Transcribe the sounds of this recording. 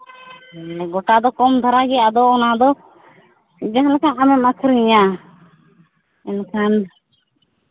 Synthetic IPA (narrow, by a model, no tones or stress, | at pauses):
ɛɡɔʈad̪ɔkɔmd̪ʱɔɾaɡɛad̪ɔɔnad̪ɔ | d͡ʒaɦlakaamɛmakʰɾiɲa | ɛnkʰan